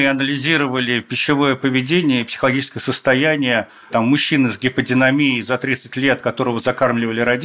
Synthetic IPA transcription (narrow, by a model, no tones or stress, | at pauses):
ɪɐnəlʲɪzʲiɾəvəlʲɪpʲɪɕːɪvo̞jəpəvʲɪdʲenʲɪjəpsʲɪ̥xəlˠɐɡʲit͡ɕɪskəjəsəst̪ɐjænʲɪjə | t̪amːʊɕːinɨzɡʲɪpədʲɪnɐmʲijɪzɐt̪ɾʲit̪sɨtʲlʲe̞t̪kɐt̪o̞ɾəvəzɐkarmlʲɪvəlʲɪɾɐdʲ